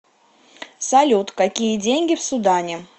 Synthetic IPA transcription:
sɐlʲut̪kɐkʲijədʲenʲɡʲɪfsʊd̪anʲɪ

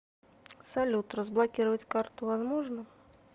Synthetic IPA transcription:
salʲut̪rəzblˠakʲiɾəvət͡sʲkart̪ʊvazmɔʐnɐ

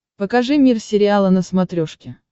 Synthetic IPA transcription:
pəkɐʐɨmʲirsʲɪɾʲɪalˠənəsmɐt̪ɾʲoʂkʲɪ

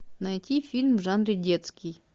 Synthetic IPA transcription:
nɐjtʲifʲilʲmvʐanɾʲɪdʲet̪skʲij

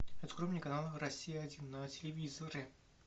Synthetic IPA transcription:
ɛt̪ə̥kɾomnʲɪjkɐnalˠrɐsʲːijəɐdʲinːətʲɪlʲɪvʲizəɾʲɪ

